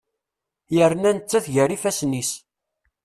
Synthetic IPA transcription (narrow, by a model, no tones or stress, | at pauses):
jəɾnænət͡sːæθʝəɾifæsnis